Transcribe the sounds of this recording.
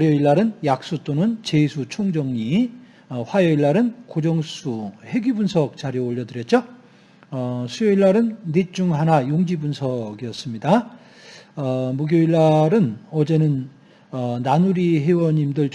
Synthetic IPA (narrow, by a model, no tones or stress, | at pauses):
ɾjʌiɭːaɾɯnjak̚s͈ut͈onɯnt͡ɕe̞sʰut͡ɕʰoŋd͡ʑʌŋɲi | ʌɸwajʌiɭːaɾɯnkod͡ʑʌŋs͈ʰuhe̞ɡibunsʰʌk̚t͡ɕaɾjooʎːʌdɯɾjʌt̚t͡ɕ͈o | ʌsʰujʌiɭːaɾɯnːit͡ɕ͈uŋɦanajoŋd͡ʑibunsʰʌɡijʌs͈ɯmɲida | ʌmuɡjoiɭːaɾɯnʌd͡ʑe̞nɯn | ʌnanuɾiɦe̞wʌɲimdɯɭ